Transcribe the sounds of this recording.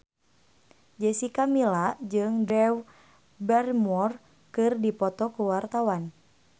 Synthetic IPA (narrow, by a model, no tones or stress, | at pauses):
d͡ʒɛsikamilad͡ʒɨŋdɛw | bɛrmɔr | kɨrdipɔt̪ɔkuwart̪awan